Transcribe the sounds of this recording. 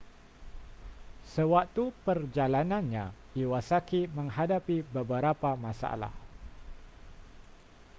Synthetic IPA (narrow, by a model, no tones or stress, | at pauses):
səwak̚t̪upərd͡ʒalananɲa | iwasakiməŋɦadapibəbəɾapamasa̰la̰h